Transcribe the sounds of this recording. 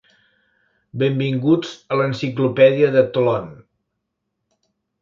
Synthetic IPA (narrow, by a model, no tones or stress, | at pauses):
bembiŋɡud͡zələnsiklupɛðiəðət̪ulɔn